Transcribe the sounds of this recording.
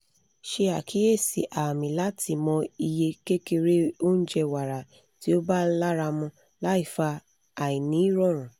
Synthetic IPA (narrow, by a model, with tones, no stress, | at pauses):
ʃe˧a˨kʰi˨˦e˦˨sḭ˨ʔa˨mĩ˨la˨˦tʰi˧mɔ̃˧i˧je˧ke˦ke˧ɾe˦o˦n̩˦d͡ʒɛ˧wa˨ɾa˨ | ti˨˦o˦ba˦la˦ɾa˧mɔ̃˧ | la˨˦i˦˨fa˧ | a˨i˨nĩ˨˦i˦ɾɔ̃˦˨ɾ̃ũ˨